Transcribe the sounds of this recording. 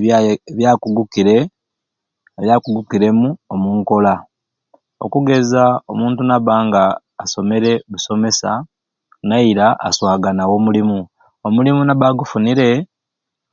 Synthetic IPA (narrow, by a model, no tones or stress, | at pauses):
βjaːkuɡukiɾe̞ | eβjaːkuɡukiɾe̞muomuːŋko̞la | o̞̰kuɡe̞zao̞muːntunaβaːŋɡaː | so̞me̞ɾe̞βuso̞me̞sa | naiɾaʔa̰swaːɡanawo̞ːmulimu | omulimunaβaɡufuniɾe̞